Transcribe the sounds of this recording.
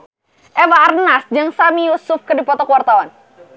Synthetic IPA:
ʔɛwaːrnasd͡ʒaŋsamijusʊfkədipɔt̪ɔkuwart̪awan

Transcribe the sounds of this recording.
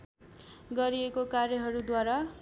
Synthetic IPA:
ɡʌɾiekokarjʌɦʌɾud̪waɾa

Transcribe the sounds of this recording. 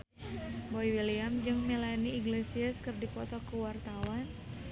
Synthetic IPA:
boiwiliamd͡ʒɨŋmelaniːɡlesiaskɨrdipɔt̪ɔkəwart̪awan

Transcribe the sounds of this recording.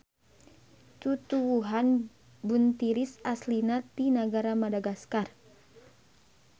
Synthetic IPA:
t̪ut̪uwuɦan | bunt̪iɾisaslinat̪inaɡaɾamadaɡaskar

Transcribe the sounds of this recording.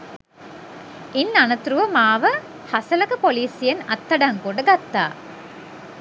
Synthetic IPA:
inːanɐt̪uɾuʋɐmaːʋə | hasɐlɐkəpoliːsijenɐt̪ːɐɖaŋkoɖəɡat̪ːa̰ː

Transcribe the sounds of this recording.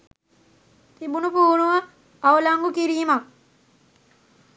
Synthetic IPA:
t̪ibunupuːɾɳuʋa | aʋɐlaŋɡukiɾiːma

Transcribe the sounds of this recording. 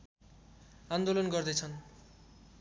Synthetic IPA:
and̪olonkoɾd̪et͡ɕʰɔn

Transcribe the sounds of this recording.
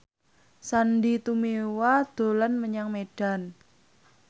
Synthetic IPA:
sandit̪umewad̪̥o̤lanməɲaŋmeɖ̥a̤n

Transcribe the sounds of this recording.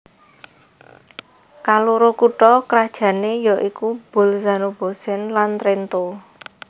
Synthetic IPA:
kaluɾokuʈɔkɾad̥ʒ̥ä̤nejɔʔikub̥o̤lzanob̥o̤sɛnlant̪ɾent̪o

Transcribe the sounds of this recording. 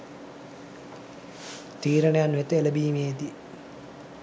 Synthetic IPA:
t̪iːɾɐɳejanʋet̪əeləbiːmeːd̪i

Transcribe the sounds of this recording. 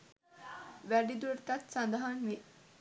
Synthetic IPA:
ʋæɖid̪uɾt̪ɐt̪sand̪ɐɦanʋi

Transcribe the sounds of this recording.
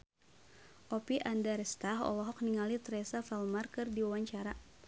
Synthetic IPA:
ʔɔpiʔandaɾɛst̪aɦɔ̰lɔɦɔk̚niŋalit̪ɾɛsafɛlmarkɨrdiwawaɲt͡ʃaɾa

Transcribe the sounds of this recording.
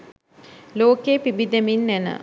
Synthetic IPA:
loːkeːpibid̪eminːænə̰

